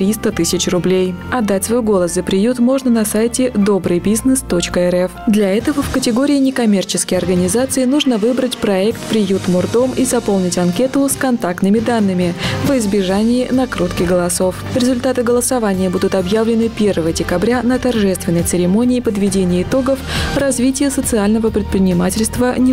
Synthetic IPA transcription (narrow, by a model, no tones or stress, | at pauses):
t̪ɾʲist̪ət̪ɨsʲɪt͡ɕrʊblʲejɐd̪ːatʲsvo̞jɡo̞lˠəszəpɾʲɪjut̪mo̞ʐnənɐsajtʲɪd̪o̞bɾɨjbʲiznɨst̪o̞t͡ɕkəɛɾɛfd̪lʲɐɛt̪əvəfkətʲɪɡoɾʲɪːnʲɪkɐmʲe̞rt͡ɕɪ̥skʲəjɐrɡənʲɪzat̪sɨɪnuʐnəvɨbɾətʲpɾɐɛkt̪pɾʲɪjut̪mʊrd̪o̞mizɐpo̞lˠnʲɪtʲɐnkʲe̞t̪əskɐnt̪ak̚t̪nɨmʲɪd̪anːɨmʲɪvɪzbʲɪʐanʲɪːnɐkɾut̪kʲɪɡəlˠɐso̞fɾʲɪzʊlʲt̪at̪ɨɡəlˠəsɐvanʲɪjəbud̪ʊt̪ɐbjavlʲɪnɨpʲe̞rvəvəədʲɪkɐbɾʲanət̪ɐrʐɛst̪vʲɪnːəjt̪sɨɾʲɪmo̞nʲɪːpəd̪vʲɪdʲenʲɪjəɪt̪o̞ɡəfrɐzvʲitʲɪjəsət̪sɨalʲnəvəpɾʲɪt̪̚pɾʲɪnʲɪmatʲɪlʲst̪vənʲɪ